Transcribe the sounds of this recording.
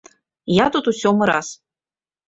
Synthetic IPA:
jat̪ut̪usʲɔmɨɾa̰s

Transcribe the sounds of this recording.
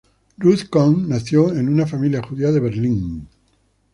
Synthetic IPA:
ruθkoŋnaθjoenunafamiljaxuðiaðeβeɾliŋ

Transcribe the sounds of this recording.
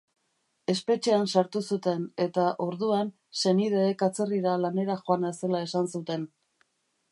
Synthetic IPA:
e̞spe̞t͡ʃe̞ansaɾt̪usut̪e̞ne̞t̪aʔo̞ɾðuan | se̞niðeːkat͡se̞riɾalane̞ɾaxo̞anase̞lae̞sansut̪e̞n

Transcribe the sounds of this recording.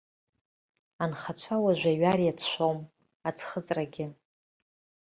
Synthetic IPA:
anχat͡ɕʷʰawaʒʷaɥarijatʰʃʷom | at͡sʰχət͡sʼraɡʲɪ

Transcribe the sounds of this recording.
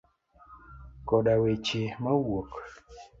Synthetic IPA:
kɔɗawet͡ʃemawok

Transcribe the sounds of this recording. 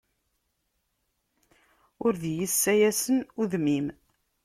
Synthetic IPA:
ʊɾðjəsːæjæsənuðmim

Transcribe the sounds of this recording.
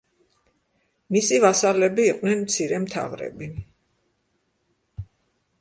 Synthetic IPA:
misivasalɛbiːqʼnɛnmt̪sʰiɾɛmt̪ʰa̰vɾɛ̰bi

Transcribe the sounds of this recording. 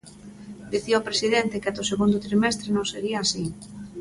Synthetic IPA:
d̪iθioːpɾesiðɛnt̪ɪkeat̪ʊseɣund̪ʊt̪ɾimɛst̪ɾenõŋseɾiɐːsi

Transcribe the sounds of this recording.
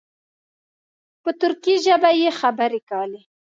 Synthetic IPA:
pət̪ʊɾkiʒəbajexabəɾekali

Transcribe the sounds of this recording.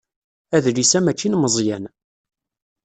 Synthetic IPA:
æðlisæmæt͡ʃːinməzˤjæn

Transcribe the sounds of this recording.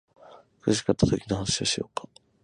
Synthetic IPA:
kɯʑi̥kat̪ːat̪o̞kʲino̞hanaɕioɕijo̞̰ːkʰḁ

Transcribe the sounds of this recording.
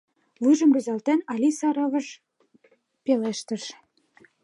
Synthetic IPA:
vujʒɤ̆mby̆zɑlt̪ænɑlʲisɑɾɤ̆vɤ̆ʃ | peleʃt̪ə̆ʃ

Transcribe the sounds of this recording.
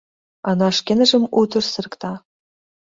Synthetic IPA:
ɑnɑʂkʲenɘ̆ʒɘ̆mut̪ɤ̆rsɨ̆rɤ̆kt̪ɑ

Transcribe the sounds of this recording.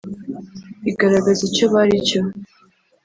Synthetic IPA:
iɡaɾaɡazit͡ʃoβaɾit͡ʃʰo

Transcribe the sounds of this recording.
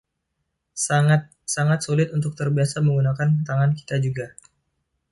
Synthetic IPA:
saŋat̪̚saŋat̪̚sulɪt̪unt̪ʊk̚t̪ərbiasaməŋɡunakant̪aŋanki̥t̪ad͡ʒuɡa

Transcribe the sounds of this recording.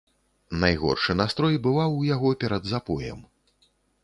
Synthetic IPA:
najɣɔ̰rʂɨnast̪ɾɔjbɨvawjaɣɔpʲɛɾɐd̪zapɔjɛ̰m

